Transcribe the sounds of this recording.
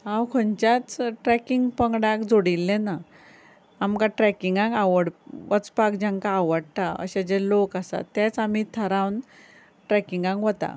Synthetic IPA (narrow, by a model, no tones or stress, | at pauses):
ãwkʰənt͡ɕat͡sʈɾɛkiŋɡpəŋɡɽakd͡zoɽilːenaː | mkãʈɾɛkiŋɡãŋkaʋəɽʋət͡spakd͡ʑãŋkaːʋəɽt̪aə̰ɕad͡ʑelokasa̰t̪ːat͡sam̤it̪ʰəɾãwn | ʈɾɛkiŋɡãŋkɦot̪a̰